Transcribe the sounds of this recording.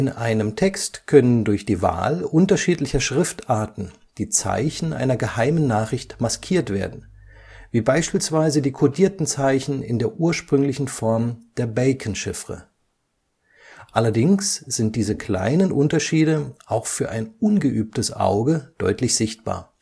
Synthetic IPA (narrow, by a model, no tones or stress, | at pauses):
ʔɪnʔaɪnəmtʰɛkstkʰœnəndʊɐçd̥iːva̰ːlʔʊntɐʃiːtlɪçɐʃʁ̥ɪftʔaɐtn̩ | d̥iːt͡sa̰ɪçn̩ʔa̰ɪnɐɡəhaɪmənːaːχʁ̥ɪçtmaskʰiːɐtv̥eːɐdn̩ | viːbaɪʃpiːlsv̥aɪzədiːkʰodiːɐtn̩t͡saɪçn̩ɪ̰ndeːɐʔuːɐʃpʁ̥ʏŋlɪçn̩fɔɐmd̥eːɐbɛɪkʰn̩ʃɪfʁə̰ | ʔalɐdɪŋsz̥ɪnt̚d̥iːzəkʰl̥a̰ɪnənʔʊntɐʃiːdəʔaʊxfyːɐʔaɪnʔʊnɡəʔyːp̚təsʔa̰ʊɡəd̥ɔ̰ʏtlɪçz̥ɪçt̚b̥a̰ːɐ